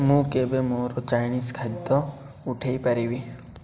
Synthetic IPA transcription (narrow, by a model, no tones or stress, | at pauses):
mũkebemoːɾot͡ʃaːjniːskʰɐd̪ɔ | ʊʈʰeipɐɾiwi